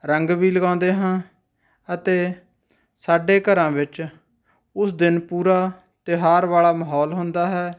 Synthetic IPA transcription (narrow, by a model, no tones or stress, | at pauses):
ɾəŋɡbiːləɡãːnd̪eːɦãː | ət̪eː | saːɖeːkəɾãːʋɪt͡ʃ | ʊsd̪ɪnpuːɾaː | t̪ɪɦaːɾʋaːɭaːməɦɔːlɦʊnd̪aːɦɛː